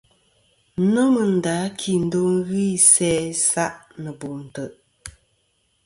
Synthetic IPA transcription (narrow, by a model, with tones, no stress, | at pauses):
no˦mə˨n̩˨daː˨˦kʰi˨n̩˦do˦ŋ˦ɣi˦˨sɛː˦sa˦ʔnə˨bo˨m˨tə˨ʔ